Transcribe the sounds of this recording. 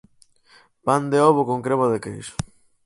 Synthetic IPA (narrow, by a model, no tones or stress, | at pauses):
pand̪eɔβokoŋkɾeβoðekejsʊ̥